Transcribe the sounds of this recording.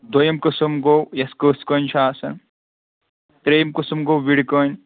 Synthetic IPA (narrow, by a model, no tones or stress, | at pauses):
d̪ojɐmkɨsumɡoːwjɐskoːskoːnt͡ʃʰaːsɐn | t̪ɾejimkusumɡoːwʋiɽikoːn